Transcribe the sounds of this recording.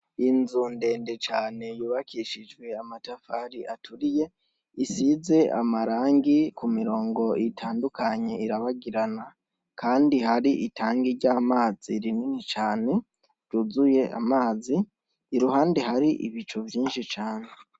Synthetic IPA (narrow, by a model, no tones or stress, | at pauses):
inzuːnde̞ːnde̞t͡ʃaːne̞juːβakʰiʃid͡ʒɡwe̞amatafaːɾiʔatʰuɾije̞ | isize̞a̰maɾaːŋɡikumiɾo̞ːŋɡo̞itʰaːndukʰaɲe̞iɾaβaɡiɾana | kʰaːndihaɾiʔitaːŋɡiɾɟaːmaːziɾininit͡ʃaːne̞ | ɾɟuzuje̞a̰maːziː | ɾuhaːndeɦaɾiʔḭβit͡ʃovjiːnʃit͡ʃaːne̞